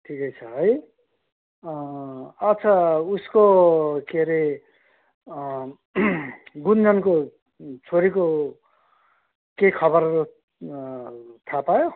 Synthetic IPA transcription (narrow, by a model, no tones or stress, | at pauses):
ʈʰikʌjt͡sʰʌɦʌj | ʌt͡sʰʌuskokeɾe | ɡund͡zʌnko | t͡sʰoɾiko | kekʰʌβʌɾo | t̪ʰapajo